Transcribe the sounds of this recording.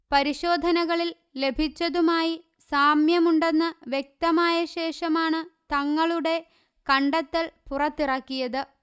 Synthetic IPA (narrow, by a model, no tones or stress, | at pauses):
pɐɾiɕo̞ːd̪ʱɐnɐɣɐɭil | le̞bʱit͡ɕːɐðumaːji | saːmjɐmuɳɖe̞nːɨʋjek̚t̪ɐmaːjɐɕe̞ːʂɐmaːɳɨt̪ɐŋːɐɭuɽe̞ | kɐɳɖɐt̪ːɐlpurɐt̪ːirɐkːijɐðɨ